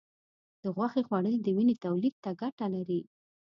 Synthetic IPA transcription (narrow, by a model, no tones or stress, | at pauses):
d̪̥əɣwaxexwaɽəled̪əwinet̪awlid̪̚t̪aɡaʈalaɾi